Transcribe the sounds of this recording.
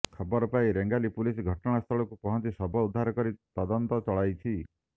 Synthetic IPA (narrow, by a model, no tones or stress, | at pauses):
kʰɔbɔɾɔpaiɾeŋɡalipulisɡʱɔʈɔɽ̃ast̪ʰɔɭɔkupɔɦɔnt̪isɔbʱɔud̪ʱːaɾɔkɔɾit̪ɔd̪ɔnt̪ɔt͡ʃɔɭajt͡ʃʰi